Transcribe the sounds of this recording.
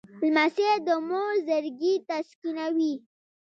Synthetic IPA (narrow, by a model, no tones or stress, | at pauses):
lmased̪əmoɾzəɾɡit̪askinawi